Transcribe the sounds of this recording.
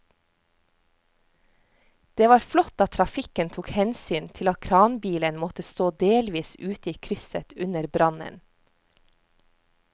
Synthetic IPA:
d̪̥eːʋɑːɾflɔt̪ɑt̪ʰɾɑfɪkənt̪ʰuːkhɛnsyːnt̪ʰɪlɑt̪̚kʰɾɑːnbiːlənmɔt̪əst̪oːd̪eːlʋiːsʉːt̪iːkʰɾʏsət̪ʉnəɾbɾɑnə̰n

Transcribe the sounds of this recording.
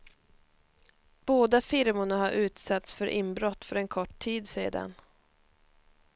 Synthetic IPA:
b̥oːd̪afɪɾmʊɳahaɾʔʉ̟ːt̪sat̪sfœɾʔɪmbɾɔt̪ːfœɾɛnkʰɔʈʰiːd̪seːd̪a̰n

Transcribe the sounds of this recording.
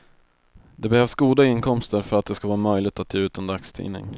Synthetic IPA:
d̪ɛbɛhœːvsɡuːd̪aɪnkʰɔmst̪əɾfœɾat̪̚d̪ɛskavɑːɾamœjlɪɡ̚t̪at̪̚ʰːjeːʉ̟ːt̪ənd̪akst̪ʰḭːnɪ̰ŋ

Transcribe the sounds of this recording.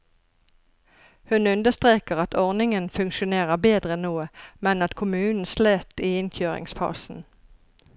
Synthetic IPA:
hʉnʉnd̪əst̪ʁeːkəʁɑt̪ʰɔʁnɪŋənfʉŋkʃʊneːʁəʁbeːd̪ʁəɛnnuːəmɛnɑt̪kʰʊmʉːnn̩sleːt̪iːɪnçøːʁɪ̰ŋsfɑ̰sn̩

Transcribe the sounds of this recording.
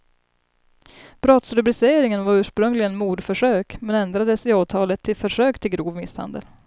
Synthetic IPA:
b̥ɾɔt̪sɾɵbɾɪseːɾɪŋənvaɾʉ̟ːʂpɾɵŋlɪɡənmuːd̪fœʂøːkmɛnɛnd̪ɾad̪əsɪɑːt̪ʰɑːlət̪ʰːɪlfœʂøːkt̪ʰɪlɡɾuːvmɪsha̰nd̪ə̰l

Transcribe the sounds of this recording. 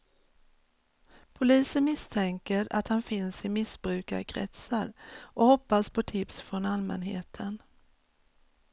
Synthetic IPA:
pʰʊliːsənmɪst̪ʰɛŋkəɾa̰t̪hanfɪnsɪmɪsbɾʉ̟ːkaɾkʰɾɛ̰t̪saɾʔɔhɔpːaspʰɔt̪ʰɪpsfɾɔnalmɛ̰nɦḛːt̪ʰən

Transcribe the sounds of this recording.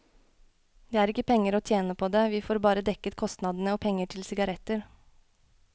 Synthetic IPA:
d̪eːæːɾɪkəpʰɛŋːəɾoːt̪ʰjeːnəpʰoːd̪eːʋiːfoːɾbɑːɾəd̪ɛkət̪kʰɔst̪nɑd̪ən̩əoːpʰɛŋːəʈʰɪlsɪɡɑɾɛt̪əɾ

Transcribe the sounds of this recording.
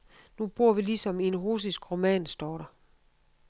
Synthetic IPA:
nub̥o̝ɐ̰ʋilisɒ̽mienʁuːs̬isɡ̥ʁo̝mɛ̰ːnsd̥ɒːɾɐ

